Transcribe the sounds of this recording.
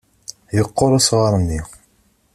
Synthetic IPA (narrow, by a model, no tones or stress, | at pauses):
jəqːoɾˤasʁɑɾˤənːi